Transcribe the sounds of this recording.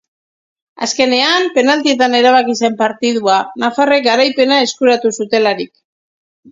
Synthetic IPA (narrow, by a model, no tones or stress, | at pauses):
a̰ske̞ne̞ampe̞nald̪ie̞t̪ane̞ɾaβ̞akise̞mpaɾt̪iðuanafare̞k̚ɡaɾajpe̞nae̞skuɾat̪usut̪e̞laɾik